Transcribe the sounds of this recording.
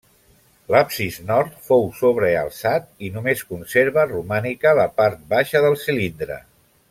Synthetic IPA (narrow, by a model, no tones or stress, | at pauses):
lapsiznɔɾt̪fowsoβ̞ɾəə̰lˠsat̪inumeskunseɾβərumanikələpaɾt̪̚baʃəðəlˠsilind̪ɾə̰